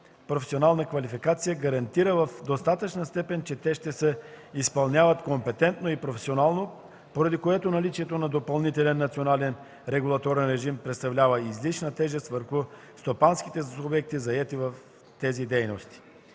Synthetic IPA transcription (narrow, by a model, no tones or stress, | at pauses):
pɾofɛsionalˠnəkvɐlifikat̪sijəɡɐɾɐnt̪iɾəvɐfd̪ost̪at̪ət͡ʃnəst̪ɛpɛnt͡ʃɛt̪ɛʃt̪ɛsɛ | ispɐlˠnʲavɐt̪kompɛt̪ɛnt̪noipɾofɛsionalˠno | poɾɐd̪ikoɛt̪onɐlit͡ʃiɛt̪onɐd̪opɐlˠnit̪ɛlɛnːɐt̪sionalɛn | ɾɛɡulˠɐt̪oɾɛnɾɛʒimpɾɛt̪st̪ɐvlʲavəizlit͡ʃnət̪ɛʒɛst̪vəɾxʊ | st̪opansk̟it̪ɛubɛk̚t̪izɐɛt̪ivɐf | t̪ɛzid̪ɛjnost̪i̥